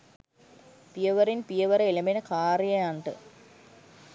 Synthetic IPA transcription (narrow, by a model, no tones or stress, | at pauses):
pijɐʋɐɾinpijɐʋɐɾeilɐmenɐkaːrjɐaɳʈɨ